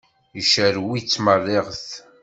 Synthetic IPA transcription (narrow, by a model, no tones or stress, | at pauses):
jəʃəɾwit͡sːmərˤːeʁθ